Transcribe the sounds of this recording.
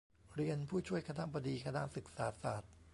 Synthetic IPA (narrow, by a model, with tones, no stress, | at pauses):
ɾi˧ənpʰuː˥˩t͡ɕʰu˥˩əjkʰa˧na˦˥ba˧diː˧kʰa˧na̰˦˥ʔsɯ˨˩k̚saː˩˦saː˨˩t̪̚